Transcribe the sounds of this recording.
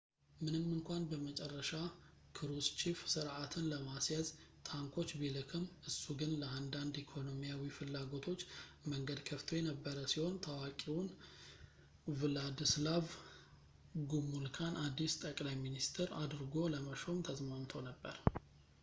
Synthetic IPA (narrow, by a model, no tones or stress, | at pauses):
mɨnɨmːɨŋkʷanbəmət͡ʃʼɛrːəʃa | kʰɨɾust͡ʃifsɨɾʔat̪ʰɨnləmasjazt̪ʰaŋkʰo̞t͡ʃːbilɨkʰɨmʔɨsːuɡɨnləand̪and̪ikʰo̞no̞mijawifɨlːaɡo̞t̪ʰo̞t͡ʃːməŋɡəd̪kʰəft̪ʰojɛnəbːəɾəsiho̞nt̪ʰawakʼiwʊn | vɨlad̪ɨslav | ɡumulkʰanʔad̪ːist̪ʼəkʼlajminist̪ʰɨɾad̪ɨɾɡo̞ləməʃo̞mt̪ʰəzmant̪ʰəwnəbːəɾ